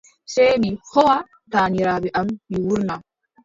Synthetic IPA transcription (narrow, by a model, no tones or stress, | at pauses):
sɛjmihɔwa | taːɲiɾaːbɛʔamːiwuɾna